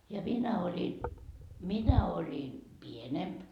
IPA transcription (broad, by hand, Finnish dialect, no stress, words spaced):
jɑ minæ olʲi minæ olʲi pienemp